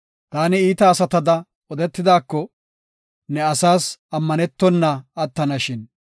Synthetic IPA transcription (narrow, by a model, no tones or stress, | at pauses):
t̪aːnɪiːt̪ɐːsɐt̪ɐd̪ɐ | ɔd̪ɛt̪ːɪd̪aːkːɔ | nɛɐsaːsɐmːɐnɛt̪ːɔnːɐɐt̪ːɐnɐʃɪn